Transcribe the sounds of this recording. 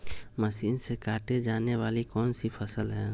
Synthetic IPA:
məsiːnsekaːʈed͡ʒaːneʋaːlikɔːnsipʰəsəlɦɛ̃ː

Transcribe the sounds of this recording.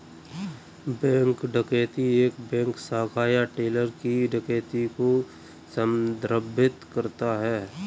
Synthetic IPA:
bɛ̃ːŋkɖəkeːt̪ieːkbɛ̃ːŋksaːkʰaːjaʈeːləɾkiɖəkeːt̪iko | səmd̪ɾəbʱɪt̪kəɾt̪aɦɛː

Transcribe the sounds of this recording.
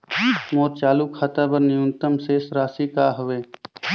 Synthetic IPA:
moːɾ̚t͡ʃaːlukʰːat̪abəɾnɪjʊnt̪əmseːsɾaːsikaːɦʊʋeː

